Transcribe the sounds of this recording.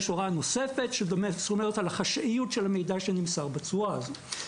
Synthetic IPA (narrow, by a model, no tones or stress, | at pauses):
ʃoʁano̞se̞fe̞tʃedomesomeʁetalaχaʃʔijutʃelhamejdaʃenimsaʁbat͡suav